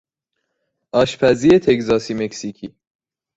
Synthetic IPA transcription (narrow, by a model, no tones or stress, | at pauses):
ʔɒːʃpʰæziːet̪ʰe̞kzɒːsiːmeksiːcʰiː